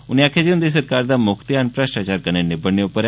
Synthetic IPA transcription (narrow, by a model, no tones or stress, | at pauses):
ʊniaːkʰed͡ʒeʊ̃nd̪is̬əɾkaːɾd̪amʊkt̪ianpɾəʃʈat͡ʃaːɾkənenɪbəɽnːeʊpəɾ